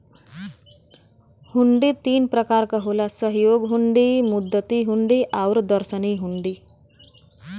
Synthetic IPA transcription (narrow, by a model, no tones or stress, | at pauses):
huɳɖit̪iːnpɾəkaɾkəɦolasəɦjoɡɦuɳɖimud̪ːət̪iɦuɳɖiʔawɾd̪əɾsəniɦuɳɖi